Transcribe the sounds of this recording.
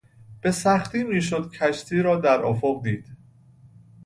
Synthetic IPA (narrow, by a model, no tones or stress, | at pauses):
b̥e̞sæxt̪iːmiːʃ̬od̪̥̚cʰæʃt̪ʰiːɾɒːd̪æɾʔɒ̰ːfoɢd̪iːd̪̥